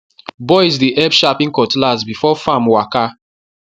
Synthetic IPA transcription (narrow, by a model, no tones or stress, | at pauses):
bɔɪzdiʔɛbʃapĩŋ̩kɔtlazbifɔfamwaka